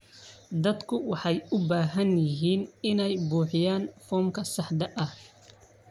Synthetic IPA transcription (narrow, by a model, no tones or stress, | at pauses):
d̪ɐd̪kʰʊwɑħɑjʊbaːɦɐnjɪɦiːnɪnɛjbuːħɪjaːnfɔːmkʰɐsɑħd̪ɐʔɐh